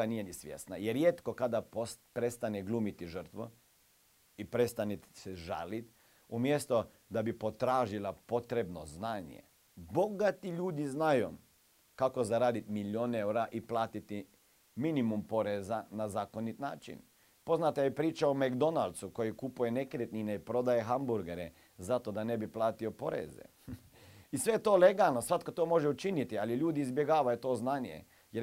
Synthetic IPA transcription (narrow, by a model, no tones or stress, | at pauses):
anijenisʋʲjḛsna̰jeɾjeːt̪kokad̪apospɾest̪aneɡluːmit̪iʒərt̪ʋo̰ | ipɾest̪aniseʒa̰ːlit̪ | umjest̪o | d̪abipo̞t̪ɾaːʒilapo̞t̪ɾebno̰znaːɲḛ | bo̞ɡat̪iʎuːd̪iznajo | kako̞zaɾaːd̪it̪miljoːneuɾaʔiplˠaːt̪it̪i | minimumpo̞ɾezanazaːko̞nit̪na̰ːt͡ʃḭn | po̞znat̪ajepɾiːt͡ʃaomakd̪o̞nald̪suko̞jikupuje̞nekɾet̪nineipɾo̞d̪ajeɦambuɾɡeɾḛ | zat̪o̞d̪ane̞biplˠaːt̪iopo̞ɾḛzḛ | isʋe̞jet̪oːleɡalˠnosʋat̪kot̪oːmo̞ʒeut͡ʃinit̪ialiʎuːd̪iːzbjeɡaːʋajut̪o̞ːznaːnjḛ | jeɾ